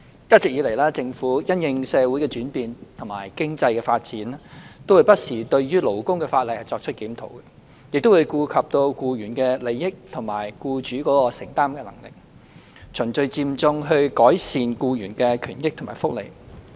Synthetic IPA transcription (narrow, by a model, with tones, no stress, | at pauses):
jɐ˥t̚t͡sɪ˨k̚jiː˨˧le˨˩jlaː˥t͡sɪ˧ŋfuː˨˥jɐ˥njɪ˧ŋsɛː˨˧wuː˨˥jkɛː˧t͡ʃyː˨˥npiː˨nt̪ʰʊ˨˩ŋma̰ː˨˩jkɪ˥ŋt͡sɐ˧jkɛː˧faː˧t̚t͡siː˨˥n˥t̪o˥wu˨˧jpɐ˥t̚siː˨˩t̪ɵ˧ɥɥyː˥lo˨˩wkʊ˥ŋkɛː˧faː˧t̚lɐ˨jhɐ˨˩jt͡sɔː˧k̚t͡ʃʰt̚kiː˨˥mt̪ʰo̰˨˥˩wkɛ˧ | jɪ˨k̚t̪o˥wu˨˧jkuː˧kʰɐ˨p̚t̪o˧wkuː˧jyː˨˩nkɛː˧le˨˧jːɪ˥k̚t̪ʰʊ˨˩ŋmaː˨˩jkuː˧t͡ʃyː˨˥kɔː˨˥kɔː˧sɪ˨˩ŋt̪aː˥mkɛː˧lɐ˨˩ŋlɪ̰˨k̚ | t͡sʰɵ˨˩ŋt͡sɵ˧ɥt͡siː˧mt͡sʊ˧ŋɦɵ˧ɥkɔː˨˥jsiː˨nkuː˧jyː˨˩nkɛː˧kʰyː˨˩nkɪ˥k̚t̪ʰmaː˨˩jfʊ˥k̚lḛ˨˩j